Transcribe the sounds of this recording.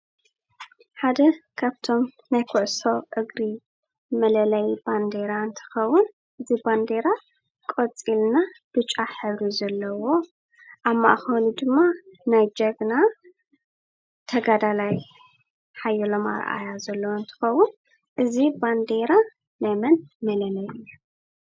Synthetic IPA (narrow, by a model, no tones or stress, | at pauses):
ħad̪ɐkʰaβt̪ʰo̞m | najkʰʊʕsoʔɨɡɾi | mɐlɐlɐjband̪e̞ɾaɨnt̪ʰɨ̥xɐwːun | ʔɨziband̪eɾa | kʼot͡sʼilnab̥ɨt͡ʃʼaħɨβɾizɐlːɐwo̞ | ʔaβma̰ʔxɐlud̪ɨmːanajd͡ʒɐɡna | t̪ʰɐɡad̪alaj | ħajːɛlo̞ma̰ɾʔa̰jazɐlːɐwont̪ʰɨ̥xɐwːʊn | ʔɨziband̪e̞ɾa | namɐnmɐlɐlɐjɨjːu